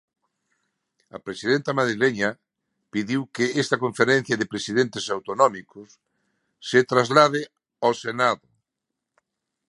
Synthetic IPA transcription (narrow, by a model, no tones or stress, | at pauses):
ɐpɾesiðent̪ɐmaðɾileɲɐ | piðiwkeɛst̪ɐkoɱfeɾẽn̟θjɐðɪpɾesiðent̪esawt̪onɔmikʊsː | et̪ɾazlaðɪ | asenaðʊ